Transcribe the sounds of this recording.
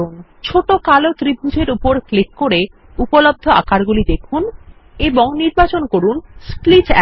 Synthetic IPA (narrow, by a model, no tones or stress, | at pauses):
un | t͡ɕʰoʈokalot̪ɾibʱud͡ʑʱeɾupoɾklikːoɾe | upolob̚d̪ʱoa̰kaɾɡulid̪ekʰun | eboŋniɾbat͡ɕonkoɾunsplit͡ɕɛ